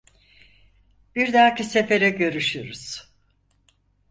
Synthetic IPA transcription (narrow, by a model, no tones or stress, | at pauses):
b̥iɾd̪aːcise̞fe̞ɾɛɟø̞ɾyʃyɾuz̥